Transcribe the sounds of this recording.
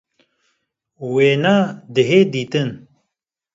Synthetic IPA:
weːnaːd̪əɦeːd̪iːt̪ɨn

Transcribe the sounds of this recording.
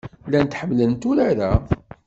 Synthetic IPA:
lænt̪ːħəmːlənt̪ʊɾaɾæ

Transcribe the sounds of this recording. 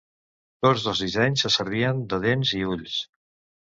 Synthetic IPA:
t̪od͡zðəlˠzðizɛɲsəsəɾβiənd̪əðenziuʎs

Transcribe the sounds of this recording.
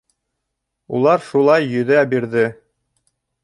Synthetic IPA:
ṵlˠɑɾʃulˠɑjːɵ̆ðæbiɾðɘ

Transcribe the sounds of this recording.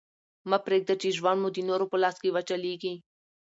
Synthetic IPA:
mɐpɾeɡ̚d̪ɐt͡ʃiʒʋanmud̪inoɾopolaskiʋɐt͡ʃaliɡi

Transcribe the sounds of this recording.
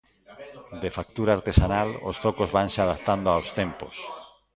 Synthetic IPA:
d̪efak̚t̪uɾaːɾt̪esanalo̰st̪okozβaŋseað̞akt̪and̪oaowst̪empo̰s

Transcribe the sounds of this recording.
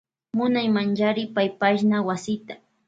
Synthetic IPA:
mʊnajmant͡ʃaɾɪpajpaʃnawasɪt̪ḁ

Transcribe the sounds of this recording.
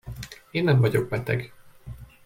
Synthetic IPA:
eːnːɛɱvɒɟo̞ɡ̚bɛt̪ɛ̰ɡ

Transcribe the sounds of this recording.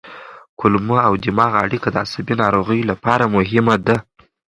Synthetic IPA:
kʊlmuawd̪ɪmɑɣaaɽikad̪əa̰sabinɑɾoɣəjlapɑɾamʊɦɪmad̪a

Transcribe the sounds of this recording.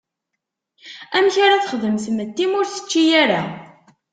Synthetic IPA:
æmçaɾaθχðəmθəmət̪ːimʊɾθə̥t͡ʃːijæɾa

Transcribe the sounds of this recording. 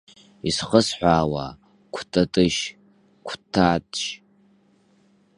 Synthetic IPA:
isχəsħʷaːwa̰ | kʷʰtʰʼatʼɨʃ | kʷʰtʰːatʼʃ

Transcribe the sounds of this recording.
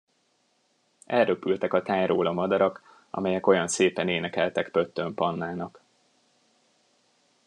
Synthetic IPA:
ɛlrøpylt̪ɛkɒt̪aːjɾoːlɒmɒd̪ɒɾɒk | ɒ̰mɛjɛko̞jɒnseːpɛneːnɛkɛlt̪ɛkpø̞t̪ːømpɒnːaːnɒk

